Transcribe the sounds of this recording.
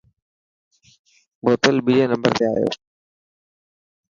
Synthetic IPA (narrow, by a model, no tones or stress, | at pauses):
boːt̪əlbiɾeːnəmbəɾt̪ea̰ːjo̰ː